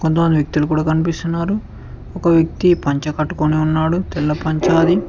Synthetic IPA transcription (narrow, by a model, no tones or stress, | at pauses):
kont̪̬ɐmɐnd̪ijɐk̚t̪ilukuːɽaːkɐnipist̪unːaːɾu | ɔkɐʋjɐk̚t̪ipɐɲt͡ʃɐkɐʈːukoniunːaːɽut̪ɛlːɐpɐɲt͡ʃaːd̪i